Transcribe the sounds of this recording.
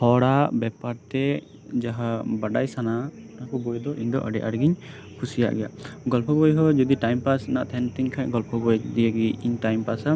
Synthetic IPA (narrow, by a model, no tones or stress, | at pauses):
hɔɽabɛpaɾt̪ɛ | d͡ʒaɦabaɖajsana | nakɔbɔjd̪ɔʔiɲd̪ɔ̰ʔaɖɛʔaɾɡiɲ | kʰusija̰ʔɡɛja̰ʔɡɔlpɔbɔjɦɔd͡ʒɔd̪iʈajmpasnaʔt̪ʰɛnt̪iɲkʰaɲɡɔlpʰɔbɔjd̪ijaɡiiɲʈajmpasa